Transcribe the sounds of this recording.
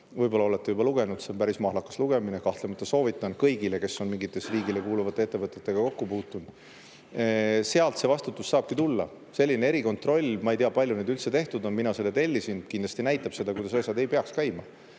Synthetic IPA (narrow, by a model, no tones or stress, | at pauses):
vɤjb̥o̞lːɑo̞le̞t̪ːˑejubɑluɡ̥e̞nud̪̥senpæɾismɑːhlɑkːˑɑ̥sluɡ̥e̞minekɑht̪le̞mɑt̪ːˑɑso̞ːvit̪ːˑɑnkɤjɡileke̞so̞nmiŋɡit̪ːˑe̞sriːɡile̞kuːluvɑt̪ːˑeet̪ːˑevɤt̪ːˑet̪ːˑe̞ɡ̥ɑko̞kːupuːt̪ːˑund̪̥ | se̞ɑlt̪sevɑst̪ut̪ːˑusːɑːb̥kit̪ulːɑ̰ | se̞lʲːinee̞ɾiko̞nt̪ˑro̞lʲːmɑejt̪iɑpɑlʲjuned̪ylt̪se̞t̪e̞ht̪ud̪o̞nminɑse̞lːet̪e̞lʲːisin̥kind̪lɑsʲt̪inæjt̪ːˑɑb̥se̞d̪ɑkujd̪̥ɑs̬ɑjsʲɑd̪e̞jpeɑkskæjmɑ